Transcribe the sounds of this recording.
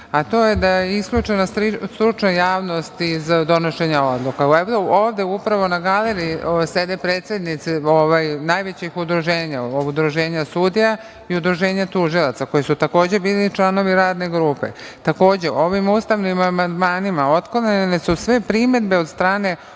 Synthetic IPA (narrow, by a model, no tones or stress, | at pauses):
at̪o̞ːje̞d̪ajeiskʎut͡ʃenaɾist̪ɾut͡ʃnojaːʋno̞st̪izd̪o̞no̞ʃe̞ɲao̞d̪lˠukaeooːʋd̪eupɾaʋo̞naɡaleɾiised̪e̞pɾeːt̪se̞d̪nit̪sioʋajnajʋet͡ɕixud̪ɾuʒe̞ːɲaobud̪ɾuʒe̞ːɲasud̪ija | iud̪ɾuʒe̞ːɲat̪uʒilˠat̪sako̞jisut̪ako̞ːd͡ʑe̞biːlit͡ʃlˠano̞ʋiɾaːd̪ne̞ɡɾuːpe̞̰t̪ako̞ːd͡ʑe̞ʔo̞ʋimust̪aʋnimamand̪maːnimao̞t̪konenesusʋe̞pɾime̞d̪beod̪st̪ɾaːne̞